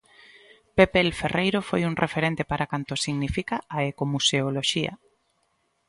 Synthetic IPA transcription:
pepelferejɾofojuŋrʔefeɾent̪epaɾakant̪osiɣnifikaːekomuseoloʃia̰

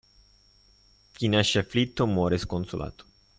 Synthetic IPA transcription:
kinaʃaflit̪ːomoɾeskonsolʔa̰t̪o̥

